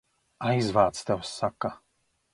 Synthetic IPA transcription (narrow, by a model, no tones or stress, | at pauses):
ʔajzvaːt̪t͡st̪ɛosaka